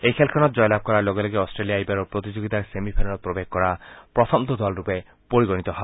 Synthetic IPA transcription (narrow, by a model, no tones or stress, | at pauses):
ejkʰelkʰɔnɔt̪̚d͡ʒɔjlab̚kɔɾaɾloɡɔleɡiɔsʈɾelijajbaɾopɾot̪id͡ʒoɡit̪asemipʰenɾɔt̪̚pɾobeɡ̚kɔɾapɾɔt̪ʰɔmt̪ɔd̪ɔlɾupe | poɾiɡɔnit̪ɔɦa